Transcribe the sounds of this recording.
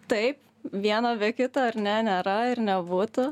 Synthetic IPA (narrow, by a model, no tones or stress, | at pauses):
t̪ɐɪp | ʋʲiɛnoːbʲiɛkʲɪt̪oːɐɾnʲɛnʲeːɾɐɪɾnʲɛbuːt̪ʊ